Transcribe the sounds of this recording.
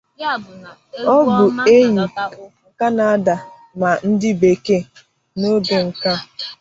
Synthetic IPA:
ɔ˦bʊ˨e˦ɲi˨ŋ̩˨ka˦na˨a˦da˨ | ma˨n̩˦dɪ˦be˨ke˦ | no˦ɡe˨ŋ̩˨ka˦

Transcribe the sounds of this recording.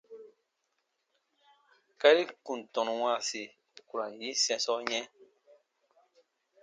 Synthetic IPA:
ka˦ɾi˦kũ˨tɔ̃˨nũ˨wã˦˨se˨ | ku˨ɾã˨ji˦sɛ̃˦sɔ˦ɲɛ̃˦

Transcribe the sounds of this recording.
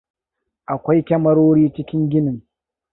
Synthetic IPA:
ʔa˨kʷa˦jkʲɐ˦mɐ˦ɾoː˦ɽiː˦t͡ʃɪ˦kʲɪ˦ŋɡʲɪ˦nɪ˨ŋ

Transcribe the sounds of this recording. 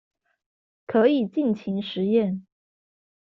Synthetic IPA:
kʰɤ˧˥i˨˩t͡ɕi˥˩nt͡ɕʰi˧˥ŋʂɻ̩˧˥jɛ˥˩n

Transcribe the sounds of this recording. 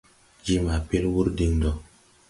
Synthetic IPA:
d͡ʒi˦ma˨pe˦lwu˦ɾdi˦ŋdɔ˨

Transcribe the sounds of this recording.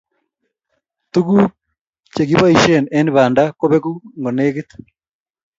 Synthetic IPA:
tu˦ku˦ | t͡ʃe˨ɣi˦βa˦i˨ʃe˦˨ne˦ni˦βaː˨ndako˦βe˦ku˦ŋɡo˨neː˦ɣet̪

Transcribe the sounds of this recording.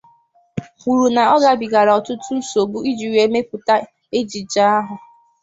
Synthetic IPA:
u˨ɾu˨na˨ɔ˦ɡa˨bi˨ɡa˨ɾa˨ɔ˨tʊ˦tʊ˦n̩˦so˨bu˦i˦d͡ʒi˨ɾe˨me˦pʊ˨ta˦ | e˦d͡ʒi˨d͡ʒa˦a˦ɦʊ˨

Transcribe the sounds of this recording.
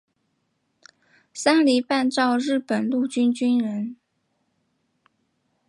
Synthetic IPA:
sa˥nli˧˥pa˥˧nʈ͡ʂɑ˥˧ʊɻɻ̩˥˩pə˨˩nlu˥˩t͡ɕy˥nt͡ɕy˥nɻə˧˥n

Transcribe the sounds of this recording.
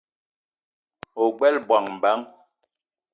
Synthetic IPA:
o˨ɡ͡bɛ˦lbwa˨ŋm̩˨ba˨˦ŋ

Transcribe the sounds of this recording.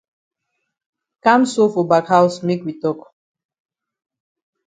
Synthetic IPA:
kã˦mso˦fɔ˨ba˨kha˦wsme˦kwi˨tɔ˦k

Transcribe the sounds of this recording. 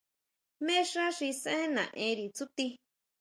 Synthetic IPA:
mẽ˦ʂa˦ʂi˧sẽ˦nã̰˨ʔẽ˧ɾi˨t͡su˦t̪i˧

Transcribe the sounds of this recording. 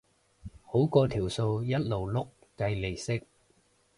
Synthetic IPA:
ho˨˥wkɔː˧t̪ʰiː˨˩wso˧wjɐ˥t̚lo˨wlʊ˥kːɐ˧jle˨˩jsɪ˥k̚

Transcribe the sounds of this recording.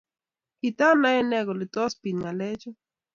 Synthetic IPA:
i˨ta˦na˦ɛ˦nɛ˦ɡo˨lɪ˨t̪ɔ˦spi˨nŋa˨le˦t͡ʃɔ˦

